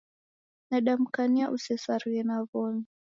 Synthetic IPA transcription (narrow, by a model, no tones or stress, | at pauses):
naɗam̩kaniaʔusɛsaɾiɛnavɔɲi